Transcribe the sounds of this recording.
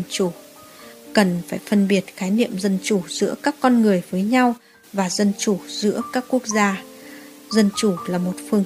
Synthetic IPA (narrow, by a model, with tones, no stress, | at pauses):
t͡ɕu˧˩ | kə˨˩nfaː˧˩jfə˧nɓi˨˩ət̚xaː˨˦jnḭ˧˨əmzə˧nt͡ɕu˧˩z̥ɨ̰˧˥əkaː˦˥kːɔ˧nŋɨ˨˩əjvəː˨˦jɲa˧w | vaː˨˩zə˧nt͡ɕu˧˩zɨ̰˧˥əkaː˦˥kːu˦˥ək̚zaː˧ | zə˧nt͡ɕu˧˩laː˨˩mo˨˩t̚fɨ˧əŋ